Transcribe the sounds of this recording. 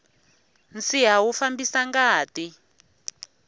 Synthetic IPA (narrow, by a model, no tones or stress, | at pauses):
nt͡siɦawufambisaŋɡaːti